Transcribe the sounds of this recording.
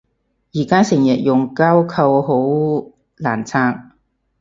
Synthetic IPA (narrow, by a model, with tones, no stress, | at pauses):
jiː˨˩kaː˥sɪ˨˩ŋjɐ˨t̚jʊ˨˩ŋkaː˥wkʰɐ˧wɦo˨˥w | laː˨˩nt͡sʰaː˧ŋ